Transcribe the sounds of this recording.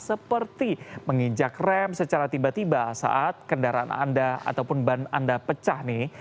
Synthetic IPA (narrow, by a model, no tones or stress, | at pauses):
səpərt̪iməŋid͡ʒakrɛmsət͡ʃaɾat̪ibat̪ibasa̰ʔat̪̚kəndaɾaa̰na̰ndaa̰t̪awpʊnbana̰ndapət͡ʃahnɪ